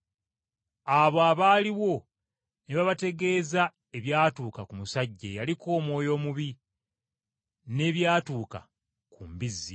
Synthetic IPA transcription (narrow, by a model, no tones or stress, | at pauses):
aβoaβaːliwo̞ | neβaβate̞ɡe̞ːza | e̞βjaːtuːkakumusaɟːejaliko̞ːmwo̞ːjo̞ːmuβi | ne̞βjaːtuːka̰ | kumbizːi